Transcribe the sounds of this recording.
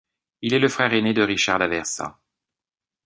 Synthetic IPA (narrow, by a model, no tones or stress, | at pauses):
ilɛləfχɛʁened̪əʁiʃaʁd̪avɛʁsɑ̰̃